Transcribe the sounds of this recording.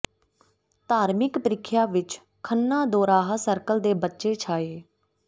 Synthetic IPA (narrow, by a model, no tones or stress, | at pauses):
t̪aːɾmɪkpəɾɪkʰːjaːʋɪt͡ʃ | kʰənːãːd̪oːɾaːɦasəɾkəld̪eːbətːʃeːt͡ʃʰaːeː